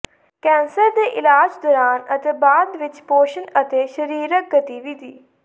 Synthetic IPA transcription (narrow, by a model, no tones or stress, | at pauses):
kɛ̃ːnsəɾd̪eʔɪlaːd͡ʒd̪ɔːɾaːnɐt̪ebaːd̪ʋɪt͡ʃpoːʃənət̪eːʃəɾiːɾək̚ɡɐt̪iʋid̪ʱiː